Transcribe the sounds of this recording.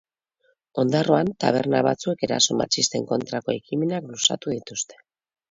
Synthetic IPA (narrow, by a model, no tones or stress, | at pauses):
o̞nd̪aro̞ant̪a̰β̞e̞ɾnaβat͡sue̞ke̞ɾa̰so̞ma̰t͡ʃist̪e̞ŋko̞nt̪ɾako̞ekime̞naklusa̰t̪uðit̪ust̪e̞̥